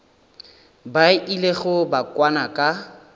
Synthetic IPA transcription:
baʔileɣʊbakʼwanakʼa

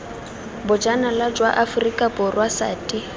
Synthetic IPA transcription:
bʊd͡ʒanalad͡ʒwaʔafʊrikʼabʊrwasa̰ːtʼi

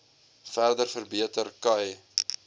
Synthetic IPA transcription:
færdərfərbiətərkɐj

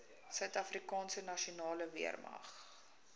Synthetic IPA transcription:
sœɥtɐfrikɑːnsənɐʃiunɑːləvḭərmɐ̰χ

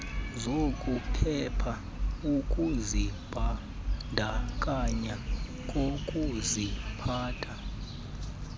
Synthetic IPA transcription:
zokʼupʰɛpʰa | ukʼuzib̥ʱa | ndʱakʼaɲa | kʼokʼuzipʰaːtʰa

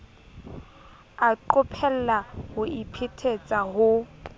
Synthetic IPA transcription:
aǃʊpʰɛl̩lahʊʔipʰɪtʰet͡sʼaɦʊ

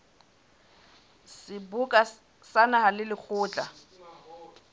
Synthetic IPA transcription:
sɪbukʼa | sanahalɪlɪk͡xʰʊːt͡ɬʼa

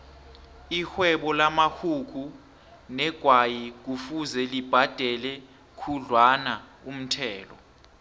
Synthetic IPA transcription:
ixwɛɓɔlamahuk̬u | nɛɡ̥ʱwajik̬ufuzɛlib̥ʱad̥ʱɛlɛ | kʰuɮwana | um̩tʰɛːlɔ̰

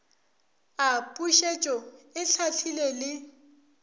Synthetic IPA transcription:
apʼuʃet͡ʃʼɔɪt͡sʰatʰilelɪ

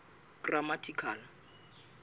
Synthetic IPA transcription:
kramatʰikʰaːnɔ

